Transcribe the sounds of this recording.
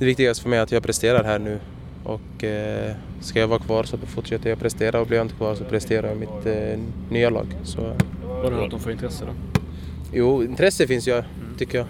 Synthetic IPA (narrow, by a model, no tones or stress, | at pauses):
d̪̥ɛvɪk̚t̪ɪɡast̪əfœɾmɛjat̪jɑːpʰɾɛst̪eːɾad̪hæːɳʉ̟ː | ʔɔ̰k | skajavɑːɾakʰvɑːɾsɔfʊʈʂɛt̪ːəɾjapʰɾɛst̪eːɾʔaɔblɪʋjaɪnt̪əkʰvɑːɾsɔpʰɾɛst̪eːɾaɾjamɪt̪ | nyːalɑ̰ːɡsɔ | vɑɾɛat̪d̪ɔmfoːɾɪnt̪ɾɛsːəd̪ɔ | juːɪnt̪ʰɾɛsːəfɪnsjɑ | t̪ʰʏkːəjɑ